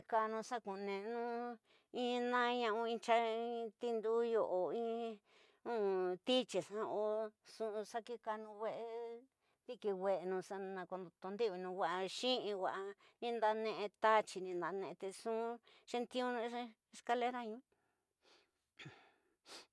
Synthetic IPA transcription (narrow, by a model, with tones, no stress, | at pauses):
ka˧nũ˧sa˦kũ˨˧nẽ˨˧nũ˦ | ĩ˦˧nã˦˧ɲã˧ʔũ˧ĩ˧t͡ʃa˧ĩ˦t̪i˦nd̪u˦jo˧ʔo˨ĩ˦ | ũ˦˧t̪i˦t͡ʃi˨sã˧o˧sũ˧sa˦ki˦ka˧nũ˧wʷe˦˧ʔe˧ | t̪i˧ki˧wʷe˧ʔe˧nũ˧sa˧nã˧ko˧nd̪o˧t̪o˧nd̪i˦βi˧nũ˧wa˧ʔa˧ʃĩ˦ʔĩ˧wʷa˧ʔa˧ | nĩ˧nd̪a˧nẽ˧ʔẽ˧t̪a˦t͡ʃi˧nĩ˧nd̪a˧˨˧nẽ˧t̪e˧sũ˦ʂe˧nt̪ĩ˦ũ˦n˧˦ | e˧ska˧le˦ɾa˦˧ɲĩ˦˨